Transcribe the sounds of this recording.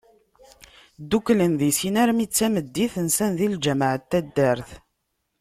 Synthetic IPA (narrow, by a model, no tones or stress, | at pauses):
d̪ukːlənðisinæɾmit͡sːæməd̪ːiθənsænðild͡ʒæmʕət̪ːæd̪ːæɾθ